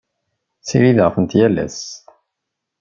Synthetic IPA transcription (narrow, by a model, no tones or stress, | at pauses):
t͡sːḭɾiðʁfənt̪jælːæ̰s